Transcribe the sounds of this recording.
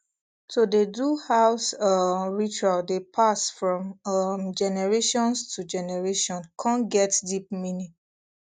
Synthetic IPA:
todeduhaʊsʌɹit͡ʃualdepʰasfɹɔ̃mʌmd͡ʒɛnɛɹeʃɔ̃nstʰud͡ʒɛnɛɹeʃɔ̃nkʰãnɡɛtdip̚minĩ

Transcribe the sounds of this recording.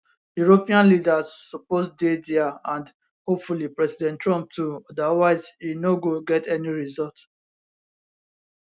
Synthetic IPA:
juɹopĩãnlidazːɔpozdediaãnd | hopfulipɹɛsidɛ̃ntːɹɔ̃mp̚tuɔdawaɪzinoɡoɡɛtɛniɹizɔlt

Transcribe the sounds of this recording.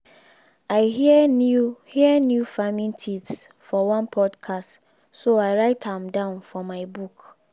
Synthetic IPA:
aɪhiɛnhiənjufamĩntʰips | fɔwãnpʰɔdkʰast | soaɪɹaɪthãmdãʊ̃nfɔmaɪbuk

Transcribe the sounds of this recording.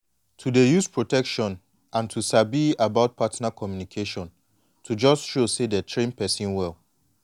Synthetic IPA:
tʰudejuspʰɹotʰɛkʃɔ̃n | ʔãntʰusabiabaʊt̚pʰatnakʰɔmjunikʰeʃɔ̃n | tʰud͡ʒɔstʃosedɛtʰɹẽnpɛsĩnwɛlˠ

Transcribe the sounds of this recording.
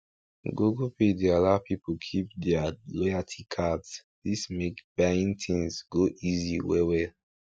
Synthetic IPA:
ɡoɡopʰedialapʰipokʰip̚dɛalɔatʰikʰads | dismekb̥aɪĩntʰĩŋsɡoʔiziwewɛl

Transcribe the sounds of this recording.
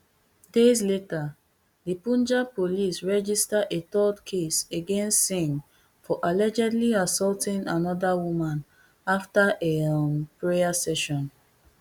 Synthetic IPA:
dezleta | dipũnd͡ʒapolisɹɛd͡ʒistaetɔdkʰeseɡɛ̃nsĩŋ | fɔʔalɛd͡ʒɛ̃dliasɔltɪ̃ŋanɔdawumãn | aftaʔepɹeasɛʃɔ̃n

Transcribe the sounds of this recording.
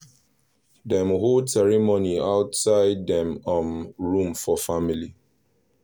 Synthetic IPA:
dɛ̃mhosɛɹimoniaʊtsaɪddɛ̃mɔ̃nɹũmfɔfamili

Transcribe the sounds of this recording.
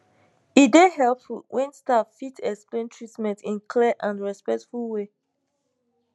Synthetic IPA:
idehɛlpfulwʔɛ̃nstaffitʰɛksplẽntʰɹitmɛ̃ntʰĩnkʰlɛʔãnɹɛspɛk̚tfulwe

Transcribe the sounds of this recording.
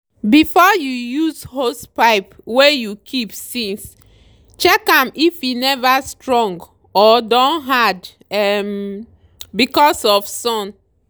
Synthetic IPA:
bifɔjujuzhospaɪp | wejukʰipsĩns | t͡ʃɛkãmifjinɛvastɹɔ̃ŋɡ | ɔdɔ̃nɦad | ɛm | bikɔsɔfsɔ̃n

